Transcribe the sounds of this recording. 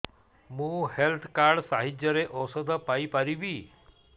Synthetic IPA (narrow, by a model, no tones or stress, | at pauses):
mũːhelt̪ʰkaːɾɖsaːɦɪd͡ʒjəɾeʔɔːsəd̪əpaipaɾiʋiː